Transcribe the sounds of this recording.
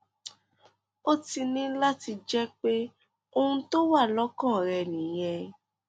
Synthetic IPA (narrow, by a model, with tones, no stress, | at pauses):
o˦ti˧nĩ˦la˦ti˧d͡ʒɛ˦k͡pe˦ | o˧hũ˧˦to˦wa˦˨lɔ˦kɔ̃˦˨ɾɛ˧˨nĩ˨˦j̃ɛ̃˧